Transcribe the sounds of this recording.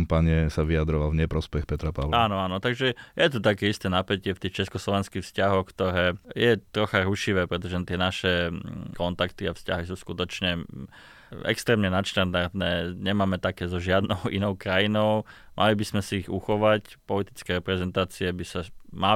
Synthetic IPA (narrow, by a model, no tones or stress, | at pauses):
mpaɲɪɛsaʋiad̪ɾɔʋalɲɛpɾɔspɛxpɛt̪ɾapaaːnɔaːnɔt̪aɡʒɛjɛt̪ut̪akɛːist̪ɛːnapɛcɪɛft̪iːxt͡ʃɛskɔslɔʋɛnskixfscaɦɔxkt̪ɔɾɛːjɛt̪ɾɔxaɾuʃiʋɛːpɾɛt̪̬ɔʒɛt̪ɪɛnaʃɛkɔnt̪akt̪iafscaɦis̬uːskut̪ɔt͡ʃɲɛ | ɛ̰kst̪ɾɛːmɲɛnat̪ʃt̪and̪aɾt̪nɛːɲɛmaːmɛt̪akɛːzɔʒɪad̪nɔʊḭnɔʊkɾajinɔʊ | mʔa̰libismɛsiiɣuxɔʋacpɔlit̪i̥t͡skɛːɾɛpɾɛzɛnt̪aːt͡siɛbisama